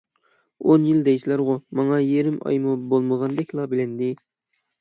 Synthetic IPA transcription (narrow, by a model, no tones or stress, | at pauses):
onjild̪ɛjsɪlæɾʁʊmɑŋɑjeɾɪmɑ̰jmubolˠməʁɑnd̪ɛkʲlˠɑbɪlɪnd̪ɪ